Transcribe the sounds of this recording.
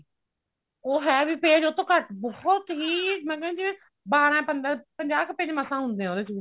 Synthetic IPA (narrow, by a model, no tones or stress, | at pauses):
oːɦɛːbiːpeːd͡ʒot̪õːkəʈbɔːt̪ɦiːmɛ̃ːkɛ̃õd͡ʒɪʋẽː | baːɾãpənd̪əpəɲd͡ʒaːkpẽd͡ʒməsãːɦʊ̃nd̪eːɛ̃oːd̪eːt͡ʃu